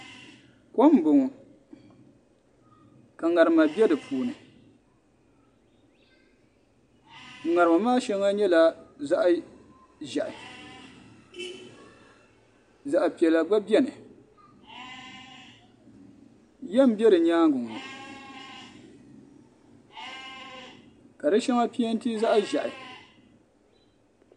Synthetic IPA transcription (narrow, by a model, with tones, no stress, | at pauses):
ko˦m˦bʊ˨ŋ˨ | ka˨ŋa˨ɾɨ˨ma˨bɛ˦dɨ˨puː˨nɨ˨ | ŋa˨ɾɨ˨ma˨maː˦ʃɛ˦ŋa˦ɲɛ˦la˨za˦ʔ | ʒɛ˨ʔɪ˨ | za˨ʔpi˨ɛ˨la˨ɡ͡ba˦bi˦ɛ˦nɨ˨ | jɛ˦m̩˨bɛ˦ɾɨ˨ɲaː˦ŋɡʊ˨ŋ˨ɨ˨ | ka˨dɨ˦ʃɛ˦ŋa˦pi˦ɛ˦n̩˦ti˦za˦ʔʒɛ˨ʔɪ˨